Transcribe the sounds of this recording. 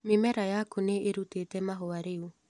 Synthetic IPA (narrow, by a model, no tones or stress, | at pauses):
memɛɾajakuneʔeɾutetɛmaɦoaɾeu